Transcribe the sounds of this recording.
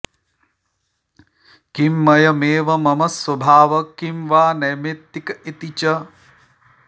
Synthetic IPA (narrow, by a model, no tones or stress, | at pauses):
kimːɐjɐmeːʋɐmɐmɐswɐbʱaːʋɐkimʋaːnɐjmet̪ːikɐit̪it͡ʃɐ